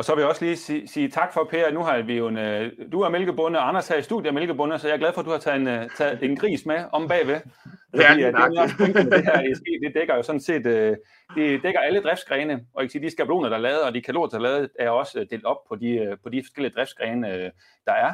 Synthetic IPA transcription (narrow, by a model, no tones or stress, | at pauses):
ɒ̽sɒ̽ʋe̝jaɒ̽sliːsiːt͡sʰɑ̈ɡ̥fɒ̽pʰe̝̰ːɐnuɦɑ̈ʋijo̝nd̥uæɐmelɡ̥əb̥ɔ̽nəɒɑ̈nɐshæɐisd̥uðˠjəɐmelɡ̥əbɔ̽nəsɒjɑ̈ɐɡlæðˠfɒ̽d̥uhɑ̈t͡sʰɛnt͡sʰɛð̩ˠe̝nɡ̥ʁḭːsmeɒ̽mb̥ɛ̰ːʋefḭːenʰeŋɡ̥əme̥e̝ɦæɐɐisɡ̥e̝̰ːd̥e̝d̥eɡ̥ɐjo̝sɒ̽n̩se̝̰ːd̥ø | d̥ed̥eɡ̥ɐæləd̥ʁɛfd̥sɡ̥ʁɛːnəɒ̽jkʰəsiːd̥isɡ̥æb̥lo̝ːnɐd̥ɑ̈lɛːð̞̩ˠɒ̽d̥ikʰælo̝̰ːɐd̥ɑ̈lɛːð̞̩ˠæɐɒ̽sd̥e̝ːld̥ɒ̽b̥̚pʰɒ̽d̥ipʰɒ̽d̥ifɒsɡ̥el̰iəd̥ʁɛfd̥sɡ̥ʁɛːnə | d̥ɑ̈æɐ